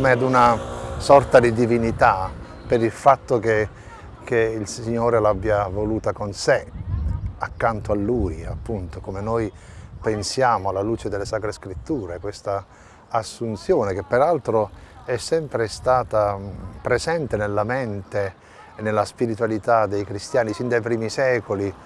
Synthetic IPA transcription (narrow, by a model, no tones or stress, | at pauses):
mead̪unasɔrt̪ad̪id̪ivinit̪a | peɾilfat̪ːok̟e | keilsiɲːoːɾelabːjavoluːt̪akonse | akːant̪oalːuːjapːunt̪okomenojpensjaːmoalːaluːt͡ʃed̪elːesaːkɾeskɾit̪ːuːɾekwest̪aː | sːunt̪sjɔːnek̟epːeɾalt̪ɾo | ɛsːɛmpɾest̪aːt̪apɾezɛnt̪enelːament̪e | nːelːaspiɾit̪uwalit̪ad̪ejkɾist̪jaːnifind̪ajpɾiːmisɛːkoli